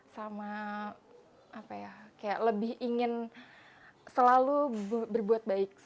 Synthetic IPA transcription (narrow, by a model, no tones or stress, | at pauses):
sama | apajakaja̰ʔləbɪhiŋɪn | səlalubbərbuat̪̚baɪk̚